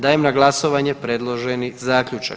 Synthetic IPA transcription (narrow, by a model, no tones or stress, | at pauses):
d̪aːjemnaɡlˠaso̞ʋaːɲepɾed̪lˠo̞ʒenizaːkʎut͡ʃa̰